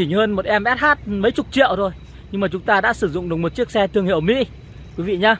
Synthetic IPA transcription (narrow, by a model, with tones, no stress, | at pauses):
i˧˩ɲ˨˧həː˧nmo˨˩t̚ʔɛ˧mʔɛ˦˥t̚haː˦˥t̚mə˨˦jt͡ɕʊ˨˩k͡p̚t͡ɕḭ˧˨əwzo˨˩j | ɲɨ˧ŋmaː˨˩t͡ɕʊ˨˦ŋ͡mt̪aː˧ɗa̰ː˧˥sɨ˧˩zʊ̰˧˨ŋ͡mɗɨ˨˩k̚mo˨˩t̚t͡ɕi˦˥ək̚sɛ˧t̪ʰɨ˧əŋhḭ˧˨wmḭ˧˥ | kwi˨˦vḭ˧˨ɲaː˨˧